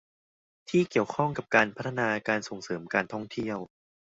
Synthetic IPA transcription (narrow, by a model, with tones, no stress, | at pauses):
t̪ʰiː˥˩ki˨˩əwkʰɔ˥˩ŋka˨˩p̚kaː˧npʰa˦˥t̪ʰːa˧naː˧kaː˧nso˨˩ŋsɤː˩˦mkaː˧nt̪ʰɔ˥˩ŋt̪ʰi˥˩əw